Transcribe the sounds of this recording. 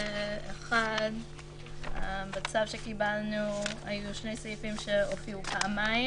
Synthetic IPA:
eχad | bet͡savʃe̞kibalnua̰juʃne̞jsajifimʃeofiupʰaʔama

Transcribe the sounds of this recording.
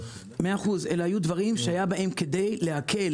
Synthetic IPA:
meaːχuzelahajud̪vaʁimʃehajabaʔe̞mke̞d̪e̞jle̞akʰe̞l

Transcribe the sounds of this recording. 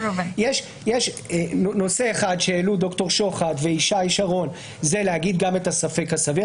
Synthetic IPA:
vjeʃ | jeʃ | nono̞se̞ːχad̪ʃeelud̪o̞kto̞ʁʃo̞χat̪veiʃaiʃaʁo̞n | ze̞lehaɡid̪̚ɡame̞tasafe̞khasavi

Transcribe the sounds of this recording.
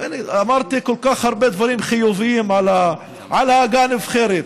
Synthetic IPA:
ʔaniamaɾt̪ikolkaχhaɾˤbed̪vaɾiːmχijuvijiːmʕala | ʕalaɡaːnevχeːɾet̪

